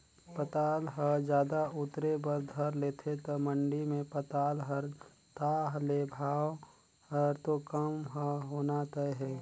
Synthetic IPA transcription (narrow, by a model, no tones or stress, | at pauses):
pət̪aːlɦəd͡ʒjaːd̪aʊt̪ɾebəɾd̪ʱəɾleːt̪ʰet̪əməɳɖimẽpət̪aːlɦəɾ | t̪aːɦlebʱaːw | həɾt̪okəmɦəɦoːnat̪əɦɛː